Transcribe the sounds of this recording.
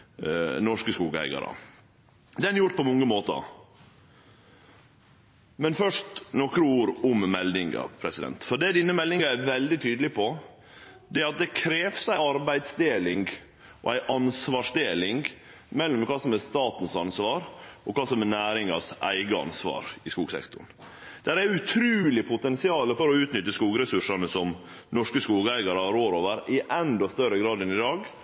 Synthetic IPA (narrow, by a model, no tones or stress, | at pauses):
nɔʂkəskuːɡəhæ̰ɪɡɑ̰ɾə̰ | d̪ɛnjʊʈ̚ːpʰɔmɔŋːəmoːt̪ə̰ | mɛnfœʂtʈnɔkɾəuːɾʊmmɛld̪ɪŋɑ̰pʰɾɛsɪd̪ɛ̰nt̪fɔɖɛːd̪ɪnːəmɛld̪ɪŋɑæʋɛld̪ɪt̪ʰyːd̪əlɪpʰɔ | d̪ɛæːɾɑt̪̚d̪ɛkʰɾeːʋsæɪɑɾbæɪd̪sd̪eːlɪŋɡ | ʔɔ̰æɪʔɑnsʋɑːʂd̪eːlɪŋɡ | mɛlːɔmkʰɑːsɔmɛst̪ɑːt̪n̩sɑnsʋɑːɾʔɔkɑːsɔmɛnæːɾɪŋɑ̰sʔæ̰ɪɡəɑ̰nsʋɑ̰ːɾɪskuːɡsɛ̰kt̪ʊ̰ɳd̪̥æɾæɾʉt̪ʰɾʉːlɪpʰʊt̪ɛnsɪɑːləfɔɾɔʉːt̪nʏt̪ːəskuːɡɾɛsʉʂɑnəsɔm | nɔʂkəskuːɡæɪɡɑɾəhɑɾoːɾoːʋəɾɪʔɛnd̪ɔst̪œɾəɡɾɑːd̪ɛnɪd̪ɑːɡ